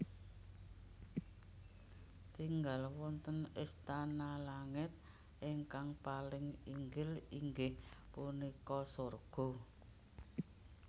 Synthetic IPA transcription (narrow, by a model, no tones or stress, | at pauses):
t̪iŋɡalwɔnt̪ənɪst̪analaŋɪt̪̚ | ʔɪŋkaŋpalɪŋiŋɡɪliŋɡɪhpunikɔsorɡ̥ɔ̤